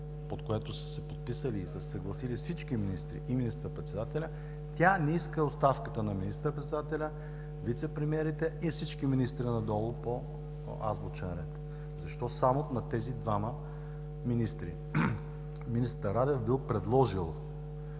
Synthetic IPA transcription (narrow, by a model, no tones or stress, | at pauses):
pot̪koɛt̪osə̥sɛpot̪̚pisəliːsəssəɡlˠɐsilifsit͡ʃkiminist̪ɾḭʔiminist̪əɾəpɾɛt̪sɛd̪at̪ɛlʲɐ | t̪ʲanɛiskəost̪afkət̪ənɐminist̪əɾəpɾɛt̪ɛd̪at̪ɛlʲɐ | vit̪sɛpɾɛmiɛɾit̪ɛifsit͡ʃkiminist̪ɾinɐd̪ɔlˠʊpo | a̰zbot͡ʃɛnɾɛt̪ | zɐʃt̪ɔsamot̪nɐt̪ɛzid̪vamə | minist̪ɾḭ | minist̪əɾad̪ɛvbilˠpɾɛd̪lˠɔʒilˠ